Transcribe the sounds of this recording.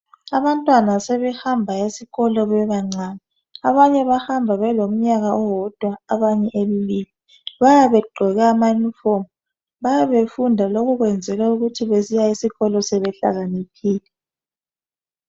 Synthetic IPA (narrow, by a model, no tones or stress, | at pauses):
aβantʼwanasɛβɛhambʱaisiɣɔlɔβɛβaŋ͡ǀaːni | aβaɲɛβahambʱaβɛlom̩ɲaɣaɔwɔd̥ʱwaaβaɲɛʔeβiβiːli | βajaβɛɡ͡ǃʱɔɣɛːmajunifomu | βajaβefundʱaloɣuɣwɛnd͡zʱɛɣauɣutʰiβezijaisiɣɔlɔsɛβɛɬa̰ɣanikʰiːlɛ